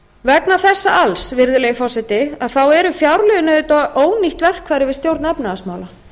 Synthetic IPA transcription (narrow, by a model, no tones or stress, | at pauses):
vɛknaθɛsːa̰alsvɪɾðʏleːjɪfɔwsɛt̪ɪaðθawɛɾʏfjawɾlœʏnðʏt̪aʔoːwniht̪vɛr̥kʰvaːjɾɪvɪðst̪jowɾt̪nɛpnaːsmaːwla